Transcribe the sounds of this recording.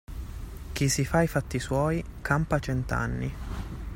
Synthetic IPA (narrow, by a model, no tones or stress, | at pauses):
k̟isifaifat̪ːiswɔːjkʰampat͡ʃɛnt̪a̰nːi